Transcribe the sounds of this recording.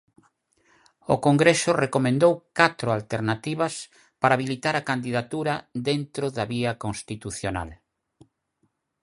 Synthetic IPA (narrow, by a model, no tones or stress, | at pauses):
o̰koŋɡɾesʊrekomẽnd̪owkat̪ɾʊalt̪eɾnat̪iβɐs | paɾaːβilit̪aɾakand̪iðat̪uɾɐd̪ent̪ɾoðaβiɐkonst̪it̪uθjona̰l